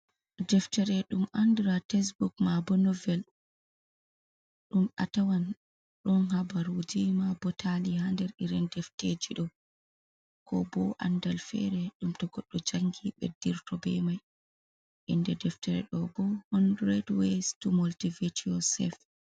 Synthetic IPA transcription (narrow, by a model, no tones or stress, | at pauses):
dɛftɛɾɛɗumandɾatɛs̬bukmabɔnɔvɛl | ɗuma̰tawan | ɗɔnhabaɾud͡ʒimabɔtʰalihandɛɾiɾɛndɛfted͡ʒiɗɔ | kʰɔ̰bɔʔa̰ndalfɛ̰ɾɛɗumtɔɡɔɗːɔd͡ʒaŋɡiɓɛ̰diɾtɔbɛmaj | ʔindɛdɛftɛɾɛ̰ɗɔbɔhɔndɾɛdwestumoltivitʰiɔsɛ̰f